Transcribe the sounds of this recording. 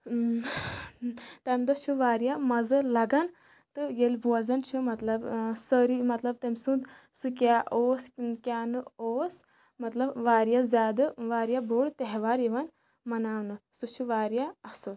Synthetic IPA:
t̪ɐmʲd̪ɐt͡ʃʰuʋaːɾijamɐzɨlɐɡɐn | t̪ɨjelbuɐzɐnt͡ʃʰumɐt̪lɐbsəɾimɐt̪lɐb̚t̪ɐmʲsũnd̪ | sukʲaːʔoːskʲaːnɨoːs | mɐt̪lɐbʋaːɾjazʲjaːd̪ɨʋaːɾjaboːɽt̪eɦʋaːɾjeʋɐn | mɐnaːwnɨsut͡ʃʰuʋaːɾjaɐsul

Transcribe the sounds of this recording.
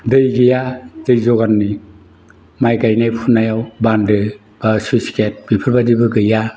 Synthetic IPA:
dɯjɡijadɯjzɔɡanːi | majkajnajpʰunːajawbandɯ | b̥asusi̥ket̚bipʰɯɾbadibɯɡɯja

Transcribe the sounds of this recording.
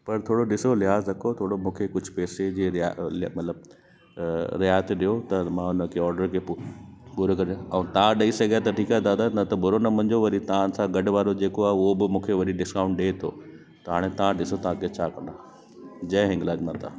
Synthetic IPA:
pɐɾt̪ʰoːɽoɗɪsolɪɦaːzɾɐkʰot̪ʰoːɽomũːkʰekʊd͡ʑʱʊ̥peːsed͡ʑiːɾɪalmɐt̪ləb̚ | ɾɪjaːjt̪ɗijot̪ɐmãʊnəkʰeɔːɾɖəɾkʰe | bʊɾkɐɾjoɐ̃t̪ɐʋãɗɐisɐɡʱjat̪ɐʈʰiːkad̪aːd̪anɐt̪ɐbʊɾonɐmɐ̃ɲd͡ʑoʋɐɾit̪ɐãn̆sãɡɐɖʋaːɾod͡ʑeːkoaːɦeʊɦobɪmũːkʰeʋɐɗiɖɪskãːʊ̃ɳʈɗeːt̪ʰo̰ː | t̪ɐɦaːɽ̃et̪ɐʋãɗɪsot̪ɐãkʰet͡ɕʰaːkɐ̃nd̪a | d͡ʑɐ̃ɦɦɪ̃ŋɡlaːɡmɐ̃nt̪ʰa̰ː

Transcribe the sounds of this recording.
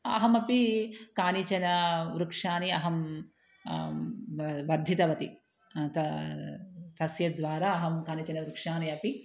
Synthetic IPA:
ɐ̰ɦɐmɐpikaːnit͡ʃɐnɐʋɾukʂaːniɐɦɐm | ʋɐɾd̪ʱit̪ɐʋɐt̪i | t̪ɐ | t̪ɐsjɐd̪ʋaːɾaːɐɦɐmkaːnit͡ʃɐnɐʋɾukʂaːniɐpi

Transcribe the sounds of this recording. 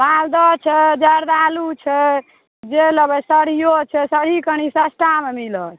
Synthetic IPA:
bald̪ɔt͡ʃʰɛd͡ʒəɾd̪alut͡ʃʰɛ | d͡ʒeləbəsəɽ̤ijot͡ʃʰɛsəɽ̤ikəñisəsʈamemilət̪

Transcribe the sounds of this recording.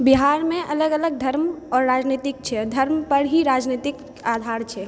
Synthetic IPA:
biɦaɾmẽʔələɡələɡ̚d̪ʱəɾmɔːɾːad͡ʒnit̪ik̚t͡ʃʰɛd̪ʱəɾmpəɾɦiɾad͡ʒnit̪ik | ad̪ʱaɾt͡ʃʰɛ

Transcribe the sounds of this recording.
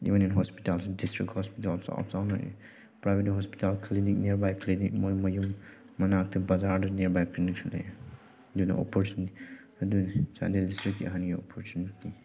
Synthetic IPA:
ḭʋəninɦɔspitalsɔdistɹikhɔspitalsɔ̰psawnɔ̰ | pɹajbetɦɔspi̥talkʰlinik̚niɾbajkʰlinḭkmɔjmɔjumː | ɐnak̚tʰebazaɾdɔniɾbajklinik̚sʰula̰j | duna̰ɔ̰pʰɔɾt͡ʃunti | dunsa̰ndildistɾik̚tia̰ɦanijɔpʰɔɾt͡ʃuniti

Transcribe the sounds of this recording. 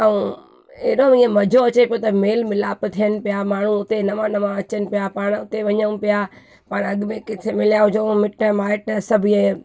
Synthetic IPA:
ɐũ | eɗoĩːẽmɐd͡ʑʱoɐt͡ɕepijot̪ɐmeːlmɪlaːpt̪ʰijənɪ̆pɪjamaːɳ̤ũʊt̪enɐʋãnɐʋãɐt͡ɕənɪ̆pijapaːɽ̃ʊt̪eʋɐɲəũpija | paːɽ̃ɐɠmẽkɪt̪ʰemɪljaːʊd͡ʑomɪʈə̃maːɪʈsɐbʱie

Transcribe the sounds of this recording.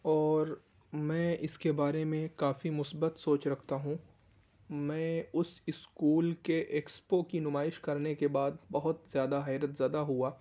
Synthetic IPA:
ɔːɾ | mɛ̃ːʔɪskebaːɾemẽkaːfimʊsbət̪soːt͡ʃɾɐkʰt̪aɦũ | mɛ̃ːʊsɪskuːlkeʔeːkspokinʊmaːɪʃkɐɾnekebaːd̪bɐɦʊt̪zjaːd̪aɦɛːɾət̪zjaːd̪aɦuaː

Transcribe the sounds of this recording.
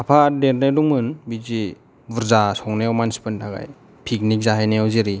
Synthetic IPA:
apʰadeɾnaduŋmɯnbid͡ʒi | buɾzasɔŋnejawmansi̥pɯntʰaɡa̰j | pʰik̚nik̚zaɦajneawzeɾi

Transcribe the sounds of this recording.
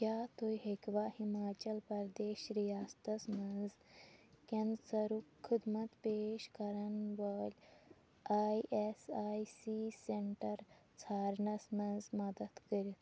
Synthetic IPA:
kʲjaːt̪ojɦekʋahimaːt͡ʃɐlpɐɾd̪eːʃɾijaːst̪ɐsmɐnz | kẽnsɐɾukkʰːud̪mɐt̪peːʃkɐɾɐnʋəlʲ | aːjʔesaːjsiseɳʈɐɾ | t͡sʰaːɾɳɐsmɐnzmɐd̪əd̪kəɾit̪

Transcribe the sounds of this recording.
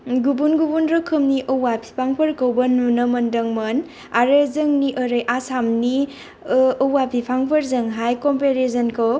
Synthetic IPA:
ɡubunɡubunɾɔkʰɯmniʔɐwwapʰi̥pʰaŋpʰɐɾkɐwbɐnunɐmɐndɐŋmɐn | aɾɐzɐŋniʔəɾɯjʔasamniː | wapʰipʰaŋpʰɐɾzɐŋɦajkompeɾesɐnkʰɯw

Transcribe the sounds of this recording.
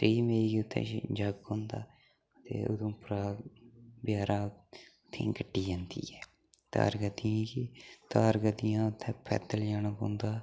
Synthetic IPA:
t̪ɾiːmeːiːkiʊt̪ʰːɛ̰̃ːd͡ʒəɡɦõːnd̪a̰ː | ət̪ḛːo̰d̪õːpʊɾaː | bɪjaːɾaːʊt̪ʰːḛ̃ːɡəʈːiːd͡ʒãːnd̪ḭːɛː | t̪a̰ːɾɡəd̪ɪãːkit̪aːɾɡəd̪ɪjãːʊt̪ʰːɛ̃ːpʰɛ̰ːt̪əld͡ʒaːnəkõ̰ːnd̪aː

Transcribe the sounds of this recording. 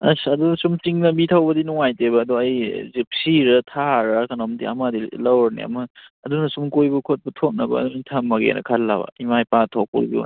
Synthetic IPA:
ɐ̰sɐdusumt͡ʃiŋnɐbitʰawbɐdinuŋajtebɐːduɐjzip̚siɾɐtʰaɾɐkɐnomdḭɐ̰madilɐwɾnḭɐ̰mɐːdunɐsumkojbɐkʰot̚bɐtʰok̚nɐbɐ̰ːduitʰamːɐɡḛnɐ̰kʰɐlːa̰bɐ̰imajpatʰok̚pṵbḭ

